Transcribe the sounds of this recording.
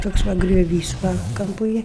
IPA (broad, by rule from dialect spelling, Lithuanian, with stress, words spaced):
ˈtoːks ˈʋɐ ɡrʲoːˈʋʲiːs ʋɐ ˈkɐmpʊ ˈeːj